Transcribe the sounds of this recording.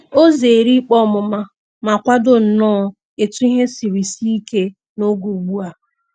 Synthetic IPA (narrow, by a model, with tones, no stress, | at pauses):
o˦ze˨ɾi˦k͡pɔ˦˨mʊ˨ma˦ | ma˨kʷa˦dʊ˦n̩˨nɔ˦ | e˨tu˦i˦ɦe˦si˨ɾi˨si˦i˦ke˦ | no˦ɡu˨ɡ͡bu˦a˨